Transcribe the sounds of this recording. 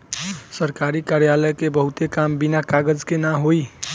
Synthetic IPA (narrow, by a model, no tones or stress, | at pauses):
səɾkaɾikaɾjaləkebəɦut̪ekambinakaɡəd͡ʒkenaɦoi